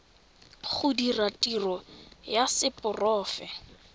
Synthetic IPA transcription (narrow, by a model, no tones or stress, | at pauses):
χʊdiratʼirɔjasɪpʊrɔːfɛ